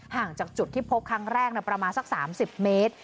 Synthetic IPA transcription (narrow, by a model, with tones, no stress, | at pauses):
haː˨˩ŋt͡ɕaː˨˩k̚t͡ɕu˨˩t̪ʰːiː˥˩pʰo˦˥p̚kʰːa˦˥ŋɾɛː˥˩k̚na˧˥˩pɾa˧maː˧nsa˨˩k̚saː˩˦msi˨˩p̚meː˦˥t̪̚